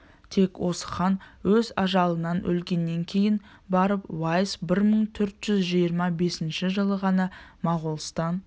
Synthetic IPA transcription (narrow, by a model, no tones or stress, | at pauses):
t̪ʰe̞kwo̞sə̥χɑnwɵzɑʒɑlˠənɑnʔɵ̰lɡʲe̞nːe̞ŋkʲʰe̞jɪn | bɑɾəpwɑjsbɪɾməɴt̪ʰɵɾt̪ʒ̥ʏzʒijəɾmɑbe̞sɪnʃɪʒəlˠəʁɑnɑmɑʁulˠst̪ɑn